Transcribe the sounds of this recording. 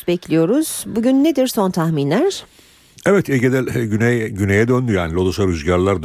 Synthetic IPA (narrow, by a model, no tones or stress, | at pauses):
bɛclʲijo̞ɾuz̥buɟynːed̪iɾso̞nt̪ʰaxminlʲæɾ̥ | ɛvɛt̪ʰɛɟed̪ælynɛjɟynejɛd̪ønd̪yjaːnilʲˠod̪usaɾyzɟaɾlˠaɾd̪